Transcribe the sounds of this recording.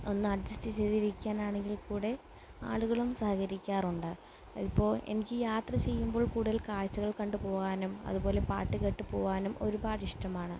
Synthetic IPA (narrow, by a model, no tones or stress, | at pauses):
o̞nːɨɐɖd͡ʑɐstit͡ɕejðiɾikʲːaːnaːɳe̞ŋɡilkuːɽe̞ | a̰ːɭuɣɐɭumsɐhɐkɐɾikʲːaːruɳɖɨ | ipːo̞ːɭe̞̰nikʲːɨjaːt̪rɐt͡ɕe̞jːumbo̞ːɭkuːɽuðilkaːɻt͡ɕːɐɣɐɭkɐɳɖɨpo̞ːɣaːnumɐ̰ðubo̞ːle̞pa̰ːʈːikeʈːɨpo̞ːɣaːnumo̞ɾubaːʈiʂʈɐmaːɳɨ